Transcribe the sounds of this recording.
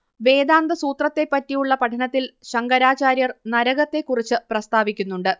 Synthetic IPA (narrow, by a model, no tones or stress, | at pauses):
ʋe̞ːd̪aːnd̪ɐsuːt̪rɐt̪ːe̞pːɐtːijuɭːɐpɐʈʰɐnɐt̪ːilɕɐŋɡɐɾaːt͡ɕaːɾjɐrnɐɾɐɣɐt̪ːe̞kːurit͡ɕːɨprɐst̪aːʋikʲːunːuɳɖɨ